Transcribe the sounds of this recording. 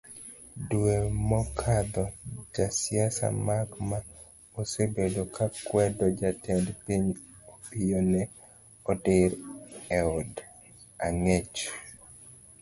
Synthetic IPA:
duemɔkʰad̪ɔd͡ʒasjasa̰makma | osebedokakwɛdɔd͡ʒatɛndpiɲopijonɛ | ɔdɪɾɛɔd | aŋet͡ʃ

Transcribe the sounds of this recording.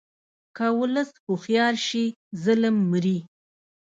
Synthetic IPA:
kawʊləsxuxjɑɾʃizələmːɾi

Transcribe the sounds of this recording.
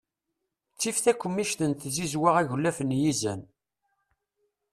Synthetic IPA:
t͡sːifθækʷːəmːiʃt̪ənt̪zizwaʁæʝlːæfənjizæn

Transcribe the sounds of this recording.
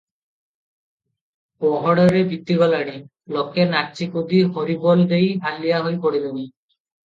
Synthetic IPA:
pɔɦɔɽɔɾebit̪ːiɡɔlaɽ̃i | lɔkʰenakt͡ʃikod̪iɦoɾibɔld̪ejalijaɦojpɔɽileni

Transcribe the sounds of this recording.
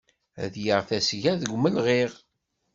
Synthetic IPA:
æ̰ðjəʁθæsʝæðəɡʷməlʁiʁ

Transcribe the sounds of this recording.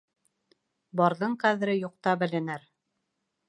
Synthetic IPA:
bɑɾðɤɴqæðɘ̆ɾɘjuq̚t̪ɑbɘ̆lɘ̆nɘɾ

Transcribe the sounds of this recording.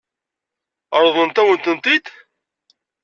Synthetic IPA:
əɾˤðˤənt̪æwənt̪ənt̪id̪

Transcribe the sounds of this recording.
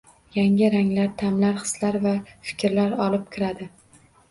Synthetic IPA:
jaŋɪɾaŋlaɾt̪ʰamlaɾχɨ̥slaɾvafɪ̥kʲʰɾlaɾɒlˠɪp̚kʲʰɪɾad̪ɪ

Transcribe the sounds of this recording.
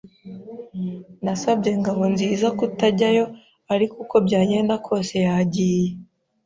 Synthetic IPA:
nasabɟe̞ŋɡaβo̞nziːzakutaɟajo̞ | aɾikuko̞bɟaːje̞ːndakʰo̞ːse̞jaɟiːje

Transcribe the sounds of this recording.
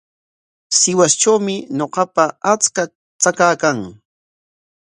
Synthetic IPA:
sɪwast͡ʃawmɪɲoqɑpaat͡ska | t͡sakaːkaŋ

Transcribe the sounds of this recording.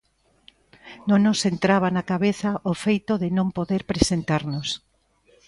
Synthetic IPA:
nonosent̪ɾaβ̞anakaβeθaʔofejt̪oðɪnõmpoðeɾpɾesent̪aɾnos

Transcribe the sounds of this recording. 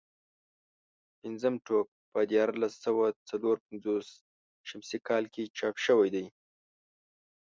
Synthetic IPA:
pɪnzəmʈok̚pəd̪jɑɾlasawat͡saloɾpanzos | ʃamsikɑlket͡ʃɑpʃəwajd̪aj

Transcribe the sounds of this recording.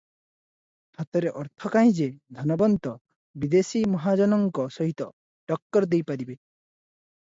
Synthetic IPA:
hat̪ɔɾeʔɔɾt̪ʰɔkaĩd͡ʒed̪ʱɔnɔbɔnt̪ɔ | bid̪esimɔɦad͡ʒɔnɔŋkɔsɔɦit̪ɔ | ɖɔk̚ʈɔɾd̪ejpaɾibe

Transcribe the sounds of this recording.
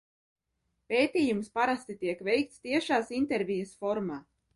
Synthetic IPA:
peːt̪iːjumspaɾast̪it̪iɛkvɛjk̚t̪st̪iɛʃaːsint̪ɛɾvʲijɐsfɔɾmaː

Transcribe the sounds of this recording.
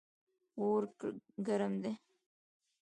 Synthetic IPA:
oɾkɡaɾəmd̪e

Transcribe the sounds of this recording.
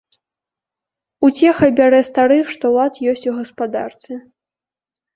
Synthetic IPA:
ut͡sʲɛxɐbʲaɾɛst̪aɾɨxʂt̪ɔwlˠat̪jɔsʲt͡sʲuɣɐspad̪a̰rt̪sʲɛ

